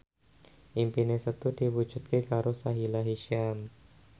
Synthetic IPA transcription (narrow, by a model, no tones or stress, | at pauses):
ʔimpinesət̪ud̥iwu̥d͡ʒ̥ṳt̪̚kekaɾosaɦilaɦiʃiam